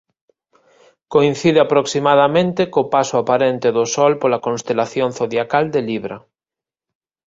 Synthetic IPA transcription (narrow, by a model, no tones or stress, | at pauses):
koinθiðeapɾoksimað̞amẽnt̪ekopasoapaɾent̪eðosɔlpolakõnst̪elaθjonθoðjakald̪eliβɾa